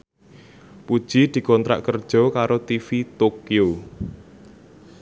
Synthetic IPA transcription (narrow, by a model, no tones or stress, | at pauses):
pud̥ʒ̥i̤d̪̥i̤kɔnt̪ɾa̰ʔkərd̥ʒ̥ɔ̤kaɾot̪ifit̪okio